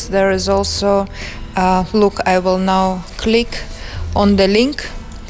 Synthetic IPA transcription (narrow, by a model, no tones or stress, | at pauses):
ðəɹɪzɔlˠso | lʊkʰaɪwɪlˠnaʊkʰlɪkʔə̃nd̪əlɪ̃ŋk